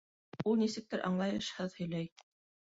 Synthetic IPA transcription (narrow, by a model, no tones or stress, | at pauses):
ulˠnisɘ̆k̚t̪ɘɾʔɑ̰ɴlˠɑjɤʃhɤðhɵ̆jlæj